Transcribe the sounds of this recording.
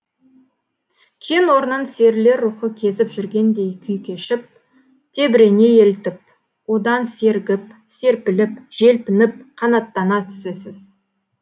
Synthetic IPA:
kʲʰenwo̞ɾənənse̞ɾle̞ɾːuχəkʲʰe̞zɪpʒʏɾɡʲe̞nd̪e̞jkʲʰʏjkʲʰe̞ʃɪp̚ | t̪ʰe̞bɪɾe̞ne̞je̞lt̪ɪp̚ | wo̞d̪ɑnse̞ɾɡʲɪpse̞ɾpɪlɪpʒ̥e̞lpɪnɪp̚qʰɑnɑt̪ːɑnɑt̪ʰʏ̥sesɪz̥

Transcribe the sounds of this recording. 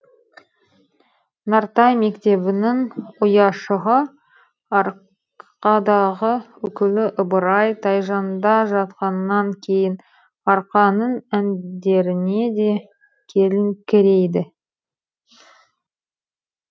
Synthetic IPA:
nɑɾt̪ɑjme̞kt̪e̞βɪnɪŋʊjɑʃəʁə | ɑɾ | qɑd̪ɑʁəwɵkʲɪlɪʔʊbəɾɑjt̪ʰɑjʒɑnd̪ɑʒɑt̪qɑnːɑŋkʲʰe̞jɪn | ɑɾqɑnənænd̪e̞ɾɪne̞d̪e̞ | kʲʰe̞lɪŋkʲʰɪɾe̞jd̪ɪ

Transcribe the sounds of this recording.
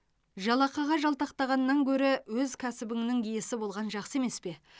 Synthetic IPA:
ʒɑlˠɑqɑʁɑʒɑlˠt̪ɑqt̪ɑʁɑnːɑŋkʲʰɵɾɪwɵzkʲʰæsɪbɪŋnɪŋije̞sɪbo̞lˠʁɑnʒɑqsəe̞me̞spe̞

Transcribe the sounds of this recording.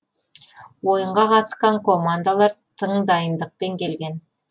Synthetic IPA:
wo̞jəɴʁɑqʰɑt̪ə̥sqɑŋko̞mand̪alˠɑɾt̪ʰəɴd̪ɑjənd̪əq̚pe̞ŋkʲe̞lɡʲe̞n

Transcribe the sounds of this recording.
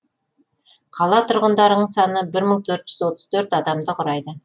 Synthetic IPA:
qʰɑlˠɑt̪ʰʊɾʁənd̪ɑɾəəɴsɑnəbɪɾməɴt̪ʰɵɾt̪ʒ̥ʏzwo̞t̪əz̥t̪ʰɵɾt̪ɑd̪ɑmd̪əqʰʊɾɑjd̪ə

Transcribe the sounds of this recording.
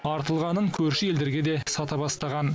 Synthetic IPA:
ɑɾt̪əlˠʁɑnəŋkʲʰɵɾʃɪe̞ld̪e̞ɾɡʲe̞d̪e̞sɑt̪ɑbɑst̪ɑʁɑn

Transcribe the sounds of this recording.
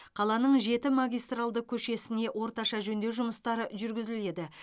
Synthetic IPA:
qʰɑlˠɑnəɴʒe̞t̪ɪmaɡʲijst̪ralˠd̪əkʲʰɵʃe̞sɪne̞ʔwo̞ɾt̪ɑʃɑʒɵnd̪e̞wʒʊməst̪ɑɾəʒʏɾɡʲɪzɪle̞d̪ɪ

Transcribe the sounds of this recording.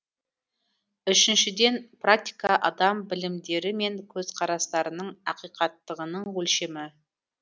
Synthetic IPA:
ʏʃɪnʃɪd̪e̞nprak̚t̪ijkɑʔɑ̰d̪ɑmbɪlɪmd̪e̞ɾɪme̞ŋkʲʰɵzqʰɑɾɑst̪ɑɾənəɴɑqijqɑt̪ːəʁənəɴwɵlʃe̞mɪ

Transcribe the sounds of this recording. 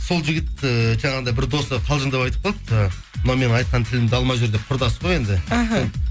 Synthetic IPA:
so̞lˠʒɪɡʲɪt̪ʒɑɴɑʁnd̪ɑjbɪɾd̪o̞səqʰɑlˠʒənd̪ɑpɑjt̪ə̥p̚ʰɑlˠp̪ | mʊnɑwme̞nɪɴɑjt̪̚qɑnt̪ʰɪlɪmd̪ɪɑlˠmɑʒʊɾd̪e̞p̚qʰʊɾd̪ɑsə̥ʁoje̞nd̪ɪɦ

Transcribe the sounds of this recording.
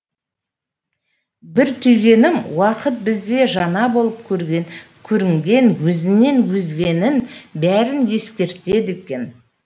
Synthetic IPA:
bɪɾt̪ʰʏjɡʲe̞nɪmwɑqət̪̚bɪzɡ̪ʲe̞ʒɑnɑbo̞lˠəp̚kʲʰɵɾɡʲe | kʲʰɵɾɪŋɡʲe̞nwɵzɪnːe̞nwɵzɡʲe̞nɪnbæɾɪnje̞skʲe̞ɾt̪e̞d̪ekʲe̞n

